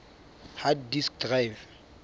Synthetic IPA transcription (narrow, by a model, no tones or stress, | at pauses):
haddisk̚drajv